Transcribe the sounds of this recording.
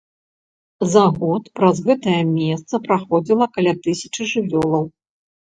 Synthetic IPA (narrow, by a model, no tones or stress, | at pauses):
zaɣɔt̪pɾɐzɣɛt̪ɐjɐmʲɛst̪sɐpɾaxɔd͡zʲilˠɐkalʲat̪ɨsʲɐt͡ʂɨʐɨvʲɔlˠɐw